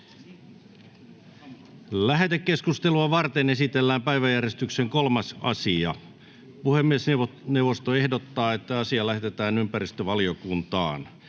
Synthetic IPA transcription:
læɦet̪ekkeskust̪eluɑʋɑrt̪enesit̪elːæːmpæiʋæjærjest̪ykseŋkolmɑsɑ̰siɑ | puhemːieˑsneʋneuʋost̪oehdot̪ːɑːet̪ːæɑsiɑlæhet̪et̪æːnympærist̪øʋɑliokunt̪ɑ̰ːn

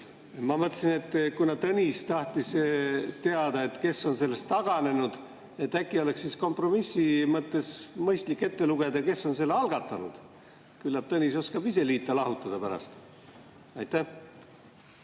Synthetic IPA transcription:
mɑmɤt̪ːˑsine̞t̪ːkunɑt̪ɤnʲist̪ɑht̪ist̪e̞ɑd̪̥ɑe̞t̪ke̞sːo̞nse̞lːe̞st̪ːɑɡ̥ɑne̞nud̪̥ | e̞t̪ːækːˑio̞le̞ksːisko̞mpro̞misːimɤt̪ːe̞smɤjst̪likːe̞t̪ːe̞luɡ̥e̞d̪̥ɑke̞so̞nse̞lːeɑlɡ̥ɑt̪ːˑɑnṵd̪̥ | kylːɑb̥t̪ɤnʲiso̞skɑbise̞liːt̪ːˑɑlɑɦut̪ːˑɑd̪̥ɑpæɾɑ̰st̪ | ɑjt̪ːæh

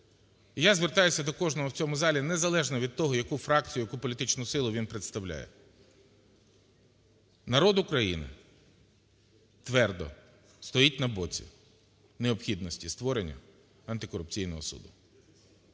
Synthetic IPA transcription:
jazʋert̪ɑjʊsʲɐd̪ɔkɔʒnɔɦɔwt͡sʲɔmʊzɑlʲinezɐlˠɛʒnɐʋʲid̪̚t̪ɔɦɔjɐkufɾɑk̚t͡sʲijʊjɐkupɔlʲit̪ɪt͡ʃnʊsɪlˠʊʋʲinpɾet̪st̪ɐwlʲa̰jɛ̰ | nɐɾɔd̪ʊkɾɐjinɪ̰ | t̪ʋɛrd̪ɔ̰ | st̪ɔjit̚ʲnɐbɔt͡sʲḭ | neɔpxʲid̪nɔsʲtʲist̪ʋɔɾenʲːɐ̰ | ɐnt̪ɪkɔɾʊpt͡sʲijnɔɦɔ̰sṵd̪ʊ

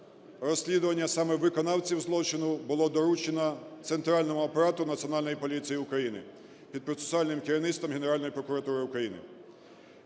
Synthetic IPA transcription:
rɔsʲlʲid̪ʊʋɐnʲːɐsɑmɛʋɪkɔnɑwt͡sʲiwzlˠɔt͡ʃɪnʊbʊlˠɔd̪ɔɾut͡ʃenɐt̪sent̪ɾɑlʲnɔmʊɔpɐɾɑt̪ʊnɐt̪t͡sʲiɔnɑlʲnɔjipɔlʲit͡sʲijiʊkɾɐjinɪ̰ | pʲid̪̚pɾɔt̪se̥sʊɑlʲnɪmkɪɾʲinɪst̪ɔmɦeneɾɑlʲnɔjipɾɔkʊɾɐt̪uɾɪʊkɾɐjinɪ̰

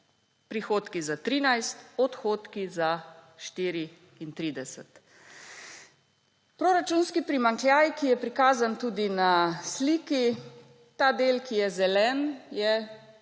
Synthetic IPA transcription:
pɾixoːt̪kizat̪ɾiːnajst̪ɔt̪xoːt̪kizaʃt̪iːɾiː | nt̪ɾiːd̪ɛsɛt̪ | pɾoːɾat͡ʃunskipɾimaŋkljaːjkijɛpɾikaːzant̪uːd̪inasliːki | t̪aːd̪eːlkijɛzɛlɛːnjɛ

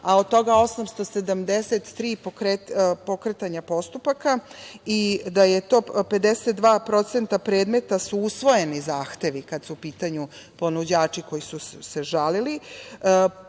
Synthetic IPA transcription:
aod̪̚t̪o̞ɡao̞samst̪o̞se̞d̪amd̪eset̪ːɾiːpoɾepo̞kɾet̪aɲapo̞st̪upakaid̪aje̞t̪o̞ːpe̞d̪eset̪̚d̪ʋaːpɾo̞t̪se̞nt̪apɾe̞ːd̪me̞t̪asuusʋo̞je̞nizaːxt̪e̞ʋikad̪suːpiːt̪aɲu | po̞nud͡ʑaːt͡ʂiko̞jisuseʒalili

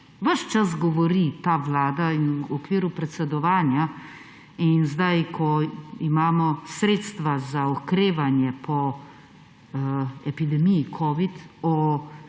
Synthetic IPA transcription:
ʋəʃt͡ʃas̬ɡɔʋɔɾit̪aːʋlaːd̪ainuɔkʋiːɾupɾɛt̪sɛd̪ɔʋaːnja | inzd̪ajkʰɔimaːmɔsɾeːt̪st̪ʋazaɔkɾeːʋanjɛpʰɔ | ɛpid̪ɛmijikʰɔːʋit̪ɔ

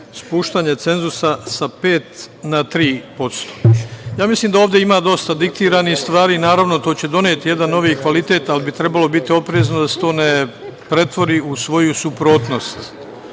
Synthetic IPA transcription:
spuːʃt̪aːɲe̞t̪se̞nzusasapeːt̪nat̪ɾiːpo̞t̪st̪ojaːmisliːmd̪aoːʋd̪jeimad̪o̞st̪ad̪ik̚t̪iːɾanist̪ʋaːɾiːnaːɾaʋno̞t̪o̞ːt͡ɕe̞d̪o̞neːt̪ije̞d̪ano̞ʋikʋalit̪e̞ːt̪alibit̪ɾe̞balo̞bit̪io̞pɾeːzno̞d̪ase̥t̪o̞ːnepɾe̞t̪ʋo̞ɾiusʋo̞jusupɾo̞ːt̪no̞st̪

